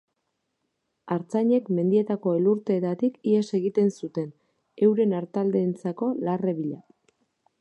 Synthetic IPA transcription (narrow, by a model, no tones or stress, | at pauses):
aɾt͡saɲe̞kme̞nd̪ie̞t̪ako̞e̞luɾt̪e̞ːt̪at̪ikiese̞ɣit̪e̞nsut̪e̞n | e̞wɾe̞naɾt̪ald̪e̞ːnt͡sako̞lare̞βiʎa